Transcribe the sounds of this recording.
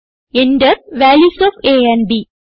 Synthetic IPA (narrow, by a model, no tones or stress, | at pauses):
ẽɳɖəɾʋæːljuːsɔːfeːɛ̃ɳbiː